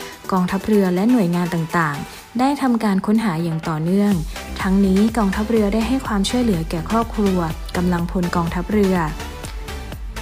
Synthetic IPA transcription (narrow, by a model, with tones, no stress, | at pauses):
kɔː˧ŋt̪ʰa˦˥p̚ɾɯ˧ɐlɛ˦˥nu˨˩əjŋaː˧nt̪a˨˩ŋt̪aː˨˩ŋ | daː˥˩jt̪ʰa˧mkaː˧nkʰo˦˥nɦaː˩˦jaː˨˩ŋt̪ɔː˨˩nɯ˥˩əŋt̪ʰa˦˥ŋniː˦˥kɔː˧ŋt̪ʰa˦˥p̚ɾɯ˧ɐdaː˥˩jɦa˥˩jkʰwaː˧mt͡ɕʰu˥˩əjlɯ˩˦ɐkɛː˨˩kʰɾɔː˥˩p̚kʰɾu˧ɐ | ka˧mla˧ŋpʰo˧nkɔː˧ŋt̪ʰa˦˥p̚ɾɯ˧ɐ